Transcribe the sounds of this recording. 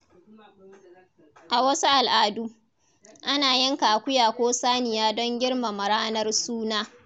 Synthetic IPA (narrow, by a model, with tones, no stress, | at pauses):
ʔa˨wɐ˦su˦ʔa˨lʔaː˦du˦ | ʔa˦naː˨jɛ˦ŋkaː˨kʷʊ˦jaː˨kʷoː˦saː˦nɪ˨jaː˦dɔ˦ŋɡʲɪ˦ɽma˨mɐ˨ɽaː˦nɐ˦rsuː˦naː˦